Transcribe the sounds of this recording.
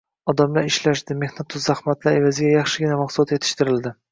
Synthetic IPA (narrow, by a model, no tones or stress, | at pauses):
ɒd̪amlaɾɪʃlaʃd̪ɪme̞hnat̪ʰːʊzzahmat̪laɾe̞vazɪɡʲajɑχʃɪɡʲɪnamaqslat̪je̞t̪ʰɪ̥ʃt̪ɪɾɪld̪ɪ